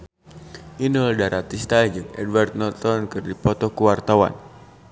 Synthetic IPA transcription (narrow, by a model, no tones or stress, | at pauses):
ʔinɔldaɾat̪ist̪ajd͡ʒɨŋɛdwart̪̚nɔlt̪ɔnkɨrdipɔt̪ɔkuwart̪awa̰n